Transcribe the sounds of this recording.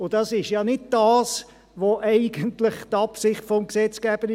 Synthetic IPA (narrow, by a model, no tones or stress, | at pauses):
ʊd̥ɑsɪʃjɑnɪd̚d̥ɑːs | ʋoʔɛɪɡəntlɪχt̪ɑpsɪχtfɔmksɛt͡sɡ̥ɛːb̥əɾɪ